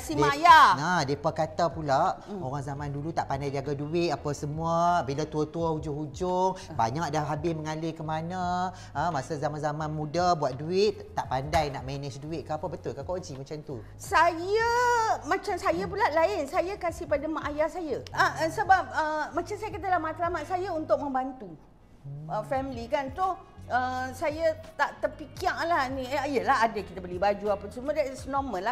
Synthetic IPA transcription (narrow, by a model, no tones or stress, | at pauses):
asimajaadiepəkat̪apulaʔoɾaŋzamãndulut̪aʔpandajd͡ʒaɡaduɪt̪̚apasəmũabilat̪uət̪uahud͡ʒʊɦud͡ʒʊŋba̰ɲak̚dahɦabɪməŋalɪkəmanə | əmasazamanzamãnmũdabuat̪̚duɪʔ̪t̪ːaʔpandajnaʔmɛnəsduɪt̪̚kaapabət̪ʊlkakod͡ʒimat͡ʃamt̪u | sajəmãt͡ʃamsajap̬ulalaɪnsajakasihpadamaʔajasajəəəsəbap̚əmãt͡ʃamsajakat̪̬alahmat̪alamat̪̚sajaunt̪ʊk̚mə̃mbant̪u | əfɛmilikant̪ʊhəsajət̪aʔt̪ərpikiaŋlaɦnĩəajalaɦadakit̪abəlibad͡ʒuapəsəmudɛt̪ɪsnɔmə̃la